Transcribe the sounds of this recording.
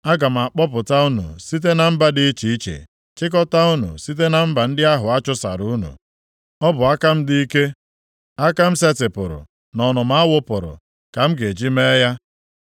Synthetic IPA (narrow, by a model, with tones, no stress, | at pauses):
a˦ɡa˨m̩˨a˨k͡pɔ˦pʊ˨ta˦u˦nṵ˨si˦t̬e˦na˨m̩˦ba˦di˦i˦t͡ʃi˨i˦t͡ʃḛ˨ | t͡ʃɪ˦k̬ɔ˦ta˦u˦nṵ˨si˦t̬e˦na˨m̩˦ba˨n̩˦dɪ˦a˦ɦʊ˨a˦t͡ʃʊ˦sa̰˨ɾu˦nṵ˨ | ɔ˦bʊ˨a˦ka˦m̩˦dɪ˦i˦ke˦ | a˦ka˦m̩˦se˦tɪ˨pʊ˨ɾʊ̰˨ | nɔ˨nʊ˨m̩˦a˦wʊ˦pʊ̰˨ɾʊ̰˨ | ka˨m̩˦ɡe˨d͡ʒi˦me˦ja˦